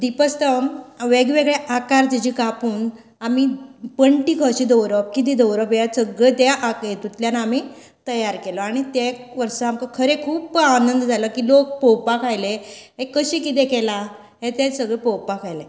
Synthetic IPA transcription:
d̪ipəst̪əmʋeɡʋeɡɭeʔakaɾd͡ʑ̪id͡ʑikapuːn | amipəɳʈikʰəɕid̪əwɾəp̚kit̪̬id̪əwɾəpjasəɡɭet̪jaʔajet̪ut̪ljanaami | t̪əjaɾkelɔaɽ̃it̪eʋəɾsəamkəkʰəɾekʰuːpanənd̪d͡zaləkiːlok̚pɔwpakʰajleɦekəɕĩkit̪̬ẽkela | ɦet̪ẽsəɡɭepɔwpakʰajle

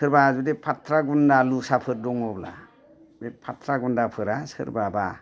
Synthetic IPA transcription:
sɯɾbazudepʰatʰɾaɡundalusapʰɯɾdɔŋɔbla̰ | bepʰatʰɾaɡundapʰɯɾasɯ̰ɾbaba

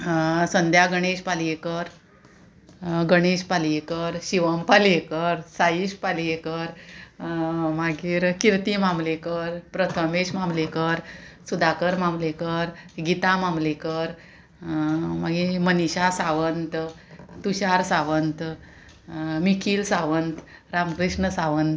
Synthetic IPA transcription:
sənd̪ʱjaɡəɽ̃eɕpaliekəɾ | ɡəɽ̃eɕpaljekəɾɕiʋəmpalekəɾsaiɕpaljekəɾ | maɡiːɾkiɾt̪imãmlekəɾpɾət̪ʰəmeɕmamlekəɾsud̪ʱakəɾmamlekəɾɡit̪amamlekəɾ | maɡiməniɕasaʋənt̪ | t̪uɕaɾsaʋənt̪ | mikʰiːlsaʋənt̪ | ɾamkɾiʂɳəsaʋənt̪

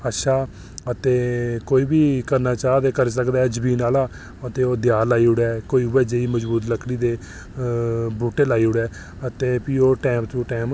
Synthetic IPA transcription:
əʃaː | ət̪eːkoːiːbiːkəɾnaːt͡ʃaːd̪eːkəɾs̬əkd̪aːɛːd͡ʒəbiːnaːlaː | ət̪eːoːd̪jaːlaːiːʊɽɛːkoːiːʊʋɛːd͡ʒeiːməd͡ʒbuːt̪̬ləkʰɽiːd̪eː | buːʈeːlaːiːɦʊɽɛː | ət̪eːpiːoːʈɛːmt̪ũːʈɛːm

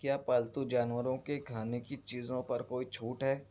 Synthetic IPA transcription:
kjaːpaːlt̪ud͡ʒaːnwəɾõkekʰaːnekit͡ʃiːzõpɐɾkoːit͡ʃʰuːʈɦɛː

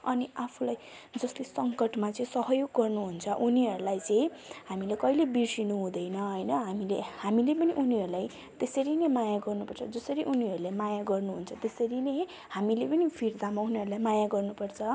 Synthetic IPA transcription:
ʌniapʰulaj | d͡zʌslesʌŋkʌʈmat͡sʌĩsʌɦʌjoɡːʌrnuɦunt͡sʰʌʔuniɦʌɾulajt͡sʌĩɦamilekʌjlebirsinuɦũd̪ʌjnʌɦʌjnʌɦamilehamilepʌniʔuniɦʌɾulaj | t̪esʌɾinemajaɡʌrnupʌrt͡sʰʌd͡zʌsʌɾiʔuniɦʌɾulamajaɡʌrnuɦunt͡sʰʌt̪esʌɾine | hamilepʌnipʰird̪amauniɦʌɾulajmajaɡʌrnupʌrt͡sʰʌ

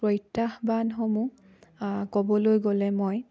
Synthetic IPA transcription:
pɹɔjtːaxbanxomu | kɔbɔlojɡolɛmoj

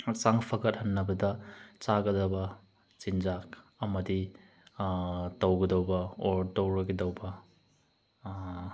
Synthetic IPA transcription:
saŋpʰɐkɐt̚hɐnːɐbɐdɐt͡ʃaɡɐdɐbɐ | t͡ʃind͡ʒak̚ | ɐmɐdi | tɐwɡɐdɐwbɐotɐwɾɐɡedɐwbɐ

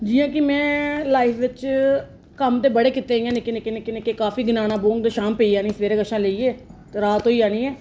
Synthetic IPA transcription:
d͡ʒiːãːkɪmɛ̃ːlaːɪpʰʋɪt͡ʃ | kəmt̪eːbəɽeːkɪt̪ːeːijãːnekenekenekenekeːkaːfiːɡɪnaːnãːboːŋɡd̪aːʃaːmpeiːaːnĩːsʋeːɾeːɡəʃãːleiːeːt̪ːɾaːt̪ɦoːiːaːnĩːɛː

